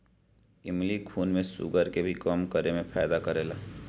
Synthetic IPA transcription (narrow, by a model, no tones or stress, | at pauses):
ɪmlikʰuːnmẽsʊ̰ɡəɾkebʱikəmkəɾemẽpʰɛːjd̪akəɾeːlaː